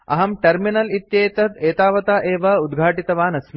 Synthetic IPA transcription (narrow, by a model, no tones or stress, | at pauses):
ɐ̰ɦɐmʈɐɾminɐlit̪jeːt̪ɐt̪eːt̪aːʋɐt̪aːʔeːʋɐud̪ɡʱaːʈit̪ɐʋaːnɐsmi